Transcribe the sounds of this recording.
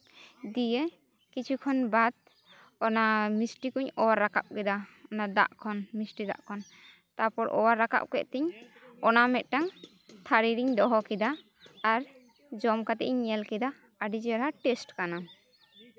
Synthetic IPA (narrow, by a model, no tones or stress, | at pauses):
d̪ijɛ | kit͡ʃʰukʰɔnbad̪̚ | ɔnamisʈikuɲɔwaɾːaka̰p̚kɛd̪aɔnad̪a̰ʔkʰɔnmisʈid̪a̰ʔkʰɔn | t̪apɔɾɔwaɾːaka̰p̚kɛ̰ʔt̪ɛɲɔnamɛt̪̚ˀʈaŋ | t̪ʰaɾiɾiɲd̪ɔɦɔkɛd̪aː | ɾ | d͡ʒɔmkat̪ɛʔiɲɲːɛlkɛd̪aː | ɖid͡ʒɛɾɦaʈɛsʈkana